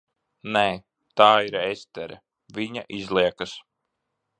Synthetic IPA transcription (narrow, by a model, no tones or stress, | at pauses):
neː | t̪aːiɾest̪ɛɾɛ̰ | vʲiɲaʔizlˠiɛkas